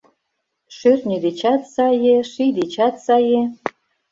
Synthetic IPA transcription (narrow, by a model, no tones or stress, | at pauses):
ʃyrnʲed̪et͡ɕɑt̪sɑjeʃid̪et͡ɕɑt̪sɑje